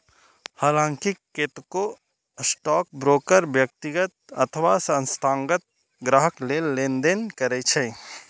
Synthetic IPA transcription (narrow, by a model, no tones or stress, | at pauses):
haːlãːŋkiket̪ko | sʈɔːk̚bɾoːkəɾbjək̚t̪ɪɡət̪̚ə̰t̪ʰʋasə̃nst̪ʰaːŋɡət̪̚ | ɡɾaɦəklelːẽnd̪enkəɾet͡ʃʰɛ